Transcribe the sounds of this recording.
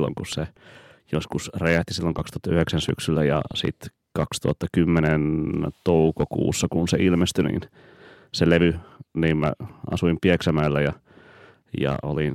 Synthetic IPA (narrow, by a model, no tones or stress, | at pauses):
lːo̰ŋkussejoskusreæht̪isilːoŋkɑkst̪ŭ̥ɑt̪ːɑyheksænsy̰ksylːæjɑ̰sḭt̪ | kɑkst̪uhɑt̪ːɑkymːenent̪oukokṵːsːɑkunseilmest̪ynḭːn | seleʋyniːmmæ̰ɑ̰suimpieksæmæːlːæjɑ | jɑ̰ʔo̰lin